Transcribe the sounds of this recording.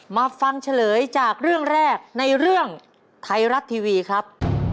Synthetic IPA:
maː˧fa˧ŋt͡ɕʰa˧lɤː˩˦jt͡ɕaː˨˩k̚ɾɯ˥˩əŋɾɛː˥˩k̚na˧jɾɯ˥˩əŋ | t̪ʰa˧jɾa˦˥t̪ʰːiː˧wiː˧kʰɾa˦˥p̚

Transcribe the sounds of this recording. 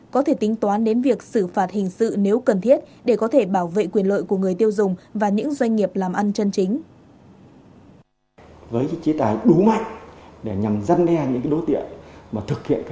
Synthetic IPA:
kɔ˨˦t̪ʰe˧˩t̪ï˨˦ŋ̟t̪waː˨˦nɗe˨˦nvi˨˩ək̚sɨ˧˩faː˨˩t̚hï˨˩ŋ̟sɨ̰˧˨ne˨˦wkə˨˩nt̪ʰi˦˥ət̚ | ɗe˧˩kɔ˨˦t̪ʰe˧˩ɓaː˧˩wvḛ˧˨kwi˨˩ənlə̰ː˧˨jku˧˩əŋɨ˨˩əjt̪i˧əwzʊ˨˩ŋ͡mvaː˨˩ɲɨ̰˧˥ŋzwa˧jŋ̟ːŋi˨˩əp̚laː˨˩mʔa˧nt͡ɕə˧nt͡ɕï˨˦ŋ̟ | vəː˨˦jt͡ɕe˨˦t̪aː˨˩jɗu˨˦ma̰˧˨jŋɗe˧˩ɲa˨˩mza˧nɗɛ˧ɲɨ̰˧˥ŋkaː˨˦jɗo˨˦jt̪ḭ˧˨ənmaː˨˩t̪ʰɨ˨˩k̚hḭ˧ən˧

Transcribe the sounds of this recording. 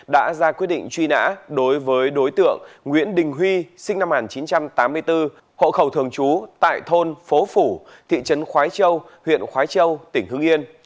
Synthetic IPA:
ɗa̰ː˧˥zaː˧kwi˦˥ɗḭ˧ŋ̟t͡ɕwi˧na̰ː˧˥ɗo˨˦jvəː˨˦jɗo˨˦jt̪ɨ̰˧˨əŋːwḭ˧˥ənɗï˨˩ŋ̟ɦwi˧sï˧ŋ̟na˧mŋaː˨˩nt͡ɕi˨˦nt͡ɕa˧mt̪aː˨˦mːɨ˧əjt̪ɨ˧ | ho̰˧˨xə˧˩wt̪ʰɨ˨˩əŋt͡ɕu˨˦t̪a̰ː˧˨jt̪ʰo˧nfo˨˦fu˧˩t̪ʰḭ˧˨t͡ɕə˨˦nxwaː˨˦jt͡ɕə˧w | hwḭ˧˨ənxwaː˨˦jt͡ɕə˧wt̪ï˧˩ŋ̟hɨ˧əŋʔi˧ən

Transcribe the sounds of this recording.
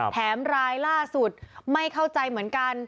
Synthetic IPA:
t̪ʰɛː˩˦mɾaː˧jlaː˥˩su˨˩t̪̚ma˥˩jkʰa˥˩wt͡ɕa˧jmɯ˩˦ənka˧n

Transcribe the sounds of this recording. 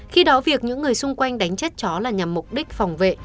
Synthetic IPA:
xi˧ɗɔ˨˦vi˨˩ək̚ɲɨ̰˧˥ŋːɨ˨˩əjsʊ˧ŋ͡mkwa˧jŋ̟ɗa˨˦jŋ̟t͡ɕə˦˥t̚t͡ɕɔ˨˦laː˨˩ɲa˨˩mːʊ˨˩k͡p̚ɗi˦˥k̟̚fa˨˩wŋ͡mvḛ˧˨

